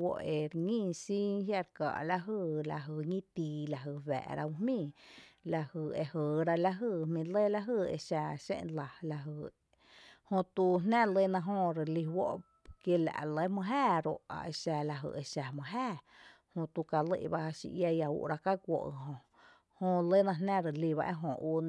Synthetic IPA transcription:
wo̰˧ʔe˨ɾŋĩː˦˧si˦hja˧ɾka̰˨ʔla˧ɦɨ˧˨la˧ɦɨ˧˨ɲĩ˦t̪i˧la˧ɦɨ˧˨βɛ̰˨ʔɾa̰˧u˧ɦmĩː˧˨la˧hɨ˧˨e˧hə˨ɾa˧la˧ɦɨ˧˨hmĩ˧le˦la˧ɦɨ˧ḛ˧ʃa˧ʃḛ̃˧ʔla˨la˧ɦɨ˧˨ | hõ˧t̪u˧nnã˦le˦nã˧ɦõ˧ɾe˨li˧wo˦ʔ | kje˧la̰˨le˦mə̃˧ɦæː˦˧ɾo̰˧ʔa̰˨ʔe˧ʃa˧la˧ɦɨ̰˧˨e˧ʃa˨mə̃˧ɦæː˦˨ | hõ˧t̪u˧ka˧lḛ˧ʔba˧a˧ʃḭ˧ʔja˧ja˧ṵ˧ʔɾa˧ka˦kʷo̰˧˨ʔɦõ˧ | hõ˧le˦nã˧nã˦ɾə˨li˧βa̰˧ʔḛ˦ɦõ˧˨u˧n

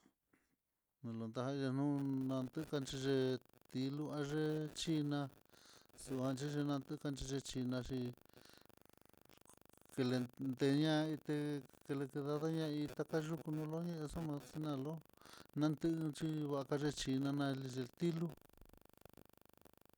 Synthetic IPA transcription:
nũ˧lo˧nd̪a˧ɦã˧i˧a˧nũ˦nã˧nd̪ɨ˦˧ka˧nt͡ʃi˧ʐe˧t̪i˧lu˦ã˧ʐe˦t͡ʃi˧nã˧ | su˧˨hã˧nt͡ʃi˦ʐe˧nã˧nt̪ɨ˦˧ka˧nt͡ʃi˧ʐe˧t͡ʃi˧nã˧ʂi˧ | ke˧le˧nd̪e˧ɲã˦˧i˧t̪e˧ke˧le˧ke˧ða˧ða˦ɲã˦˧i˧t̪a˧ka˦ʒu˦ku˧nũ˧˦lo˦ɲẽ˦ʔe˧so˦mã˧si˧nã˧lo˦nã˧nd̪ɨ˦ʔt͡ʃi˦βa˧ʔka˧ʐe˧t͡ʃi˧nã˧nã˧li˧ʐe˧lt̪i˦lu˦

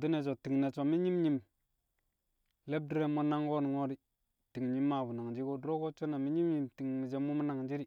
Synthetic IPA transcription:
di˦ne˨t͡ʃo˨ti˨ŋne˨t͡ʃo˨mi˦ɲi˦mɲi˨m | le˦b̚di˦ɾe˦mo˦na˦ŋɡo˦ni˨ŋo˦di˦ | ti˨ŋɲi˦mːa˨bu˨na˨ŋd͡ʒi˦ɡo˦dɾo˦ko˦t͡ʃo˦na˨mi˦ɲi˦mɲi˨mti˨ŋmi˨d͡ʒe˦mu˦m˦na˨ŋd͡ʒi˦ɾi˨

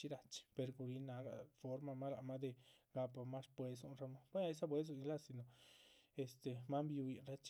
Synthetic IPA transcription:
t͡ʃi˧ɾa˧t͡ʃi̥˧pe˧ɾɡu˧ɾi˧na˧ɡa̰˧fo˦ɾma˧ma˦la˧ma˦d̪e˧ɡa˧pa˧ma˦ʂpwe˧su˧nɾa˧ma˦be˦a˧e˦sa˦p̬we˧˦s̬u˧˨ni˧la˦si˧no˨e˨st̪e˨ma˦mbi˧u˧i˧nɾa˦t͡ʃ

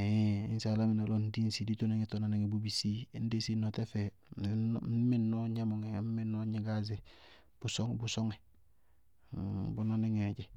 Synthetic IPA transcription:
e˦ḭ˦nsa˨la˦ŋi˨na˨lo˦ndi˦nsi˨di˦to˦niŋe˦tona˦ni˦ŋe˨bubisi˦n˦de˦si˦note˦fe˦ | mːi˦nːoɲa˦moŋe˦m˦mi˦nːo˦ɲiɡaze | b̥usoŋbu˨so˦ŋe | bunani˦ŋeɟe

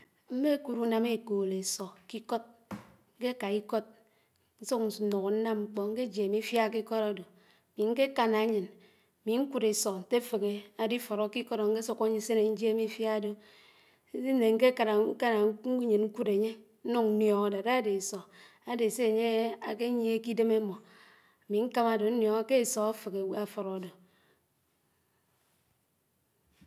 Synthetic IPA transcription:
m̩˦me˦ku˨ɾu˦na˦me˦˨koː˨le˨sɔ˨ki˦kɔ˦t̚ | ŋ̩˦ke˦ka˨i˦kɔ˦t̚ | n̩˦so˦kn̩˨˦nɔ˨ko˨n̩˦na˦mŋ͡m̩˦k͡pɔ˦ŋ̩˦ke˦d͡ʒe˨mi˦fja˦˨k̬i˦kɔ˦ɾa˨do˨ | mi˨ŋ̩˦ke˦ka˦na˨˦ɲɨ˨n˨ | mi˨ŋ̩˦ku˦ɾe˨sɔ˨n̩˨te˦fe˨ɣe˨a˨di˦fɔ˨ɾɔ˨˦ki˦kɔ˦ɾɔ˨ŋ̩˦ke˦sɔ˦ko˦ɲi˨˦se˦ne˨n̩˦d͡ʒe˦mi˦fja˦do˨˦ | ne˨ŋ̩˦ke˦ka˨ɾa˨˦ka˦na˨˦ɲɨ˨nŋ̩˦ku˦de˨ɲe˦ | n̩˦nu˦ŋn̩˦njɔ˨ŋa˦do˨da˦˨de˨sɔ˨ | a˦de˨se˦e˨ɲe˦a˨ke˦ɲi˦e˦ki˦de˦me˦mɔ˨ | mi˨ŋ̩˦ka˦ma˨do˨n̩˦njɔ˨ŋa˦ke˦e˨sɔ˨a˦fe˨ke˨wa˦˨fɔ˨ɾɔ˨do˨

